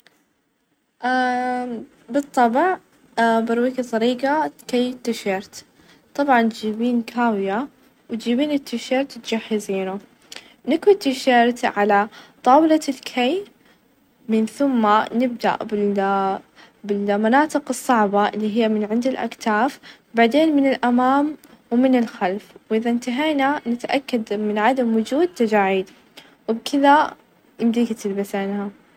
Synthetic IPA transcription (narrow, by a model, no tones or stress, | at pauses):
ʔa | bɨt̪ˤːɑbʕ | bɑɾˤwiːkt̪ˤːɑɾiːɡakajt̪ːɪʃeːɾt̪ | t̪ˤɑbʕɑnd͡ʒiːbiːnkʰaːwɪja | wt̪d͡ʒiːbiːnɪt̪ːɪʃeːɾt̪t̪d͡ʒaħːɪziːnu | nɪkwit̪ːɪʃeːɾt̪ʕalat̪ˤɑːwlalkʰaj | mɪnθʊmːanɪb̚d̪a̰ʔbɪ | bɪlmanaːt̪ˤɨqɨsˤːɑʕbɑʔɪlːiːɦɪjːamɪnʕɪnd̪ɪlʔa̰kt̪aːf | baʕd̪eːnmɪnɪlʔamaːmwmɪnɪlxalfwʔɪðant̪aɦaːnanɪt̪ʔakːad̪mɪnʕad̪amwʊd͡ʒuːd̪̚t̪ad͡ʒaːʕiːd̪ | wɪbkʰɪða | jɪmd̪iːɡt̪ɪlbasanha